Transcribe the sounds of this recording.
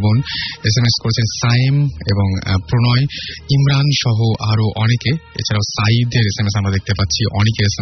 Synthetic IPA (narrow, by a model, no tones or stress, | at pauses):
bonesemeskoɾet͡ɕʰensameboŋpɾonɔeimɾanʃɔɦoʔaɾoʔɔnekeḛt͡ɕʰaɾaʊsaid̪eɾesemesamɾad̪ek̚t̪epatːɕʰiʔɔ̰nekeɾesem